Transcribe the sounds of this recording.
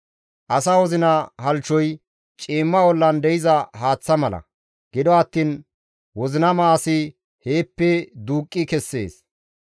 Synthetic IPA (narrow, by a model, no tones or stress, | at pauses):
ʔɐsawɔzɪnɐhɐlt͡ʃːɔj | t͡ʃʼiːmːɐwɔlːɐnd̪ɛjɪzɐhaːt͡sːɐmɐlɐ̰ | ɡ̥ɪd̪ɔɐt̪ːiːn | wɔzɪnɐmaːsɪ | he̞ːpːɛd̪uːkʼːɪkɛsːe̞̰ːs